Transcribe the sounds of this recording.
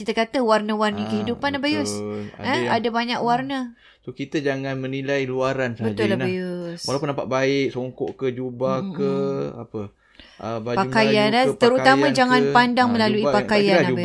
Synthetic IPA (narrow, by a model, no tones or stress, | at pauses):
kit̪akat̪əwarnəwarnəkəɦidupanahbajosəadabaɲakwarnə | sokit̪əd͡ʒaŋanmə̃nilajluaɾansbəd͡ʒ̪ʊllahbajoswalapunampa̰ʔ̪̚baɪk̚soŋkɔ̰ʔkəd͡ʒubakəa̰pə | ʔəbapakajanat̪əɾut̪aãd͡ʒaŋãnpandaŋmə̃laluipakajaaba